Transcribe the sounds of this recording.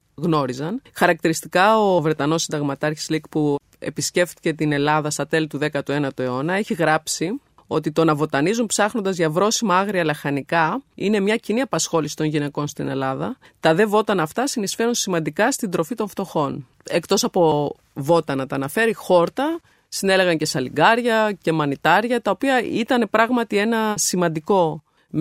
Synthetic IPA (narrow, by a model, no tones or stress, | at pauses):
ɣno̞ɾizɐnxɐɾɐk̚t̪iɾist̪ikɐo̞vɾe̞t̪ɐno̞sind̪ɐɣmɐt̪ɐɾçi̥zlikpu | e̞̰pisce̞ft̪i̥ce̞t̪ine̞lɐðɐst̪ɐt̪e̞lit̪uðe̞kɐt̪ue̞nɐt̪ue̞o̞nɐe̞çiɣɾɐpsi | o̞t̪it̪o̞nɐvo̞t̪ɐnizumpsɐxno̞nd̪ɐzʝɐvɾo̞simɐɐɣɾiɐlɐxɐnikɐine̞mɲɐciniɐpɐsxo̞lisi̥t̪o̞nʝine̞ko̞nst̪ine̞lɐðɐ | t̪ɐðe̞vo̞t̪ɐnɐft̪ɐsinisfe̞ɾunsimɐnd̪ikɐst̪ind̪ɾo̞fit̪o̞ɱft̪o̞xo̞n | e̞kt̪o̞sɐpo̞ | vo̞t̪ɐnɐt̪ɐːnɐfe̞ɾixo̞ɾt̪ɐ | sine̞le̞ɣɐɲce̞sɐlḭɡɐɾʝɐce̞mɐnit̪ɐɾʝɐt̪ɐo̞piɐit̪ɐne̞pɾɐɣmɐt̪ie̞nɐsimɐnd̪iko̞